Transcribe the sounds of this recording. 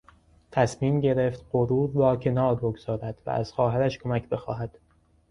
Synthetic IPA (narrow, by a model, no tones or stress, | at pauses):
t̪ʰæsmiːmɟe̞ɾe̞ft̪ɢoɾuːɾvɒːcʰe̞nɒːɾboɡz̥ɒːɾæd̪̥væ̰ʔæ̰z̥xɒːɦæɾæʃkʰo̞mæcʰbe̞xɒːɦæd̪̥